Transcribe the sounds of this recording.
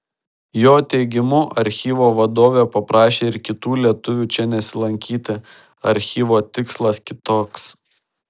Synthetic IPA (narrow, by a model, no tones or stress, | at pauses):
joːt̪ʲɛɪɡʲɪmʊʔɐɾʲxʲiːʋoːʋɐd̪oːʋʲepɐpɾɑːʃʲeːɪɾkʲɪt̪uːlʲiɛt̪ʊʋʲuːt͡ʃʲɛnʲɛsʲɪlˠɐŋʲkʲiːt̪ʲɪ | ɐɾʲxʲiːʋoːt̪ʲɪkslˠɐskʲɪt̪oːks